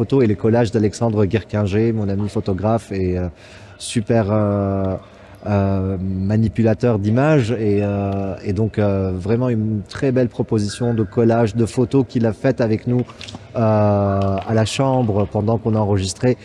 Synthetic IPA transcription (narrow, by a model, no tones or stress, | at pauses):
ot̪oeləkɔlaʒd̪alɛksɑ̃d̪ʁəɡʲɛʁkʲɛ̃ʒemɔ̃namifot̪ɔɡʁafeø | sypɛʁø | ømanipylat̪œʁd̪imaʒeøed̪ɔ̃køvʁɛmɑ̃ynt̪χɛbɛlpχɔpozisjɔ̃d̪əkɔlaʒd̪əfot̪okʲilafɛt̪avɛknuø | alaʃɑ̃bʁəpɑ̃d̪ɑ̃kɔ̃naɑ̃ʁəʒist̪χe